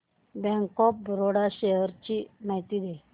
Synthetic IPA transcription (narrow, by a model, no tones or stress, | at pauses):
bɛ̃ŋkɔp̚bʱɾoɽaɕeɦəɾt͡ɕimajt̪id̪e